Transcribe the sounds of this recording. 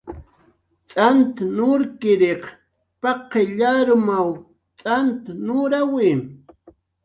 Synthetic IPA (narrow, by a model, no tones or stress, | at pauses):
t͡sʼant̪nʊɾkɪɾeq | pɑqːeʎaɾʊmaw | t͡sʼant̪nʊɾawɪm